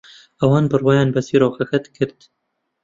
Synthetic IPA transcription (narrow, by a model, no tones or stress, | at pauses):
ʔɛwɑːnbɨrwɑːjɑːnbɛsiːɾoːxɛxɛt̪kʰɨɾt̪